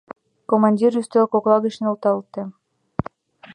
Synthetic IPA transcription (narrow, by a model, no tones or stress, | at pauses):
komɑnʲdʲiryst̪økoklˠɑɣə̆ʃnult̪ɑlt̪ĕ